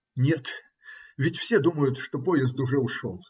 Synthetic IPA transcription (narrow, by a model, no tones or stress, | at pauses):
nʲe̞t̪ | vʲɪtʲfsʲed̪uməjʊt̪ʂt̪opojɪzd̪ʊʐɛʊʂo̰lˠ